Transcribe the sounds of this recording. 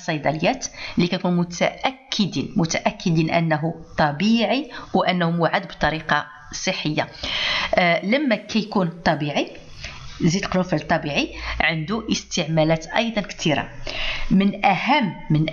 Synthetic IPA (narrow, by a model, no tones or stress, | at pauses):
sˤɑjd̪ˤɑləjːæt̪likækunmʊt̪æ̰ʔækʰːəd̪inmʊt̪æʔækːəd̪inʔə̰nːɦut̪ˤɑbiʕiwʔænːhumʊʕad̪bt̪ˤɑɾiqɑ | sˤəħːəjːa | ləmːækʰæjkunt̪ˤɑbiʕi | zid̪lqlufəlt̪ˤːɑbiʕiʕənd̪uʔəst̪əʕmælæt̪ʔɑ̰jd̪ˤɑnkt̪iɾa̰mənʔæhæmːən